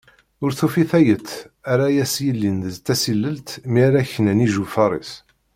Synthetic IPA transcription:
ʊɾθufiθæjət̪ːæɾajæsjəlːind̪əzt̪ːæsilːəlt̪miɾæçənæniʒufɑɾˤḭs

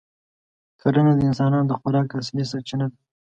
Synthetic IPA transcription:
kʰaɾənad̪əɪnsɑnɑnod̪əxʊɾɑkas̬lis̬at͡ʃinad̪a

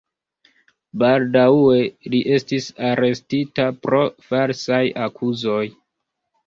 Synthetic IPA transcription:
baldaweliʔe̞stisaɾe̞stitapɾo̞faɾsajakʰuzo̞j

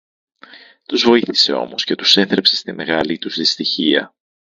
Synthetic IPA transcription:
t̪uzvo̞iθi̥se̞o̞̰mo̞sce̞t̪use̞θɾe̞pse̞st̪ime̞ɣɐlit̪uzðist̪içiɐ̰

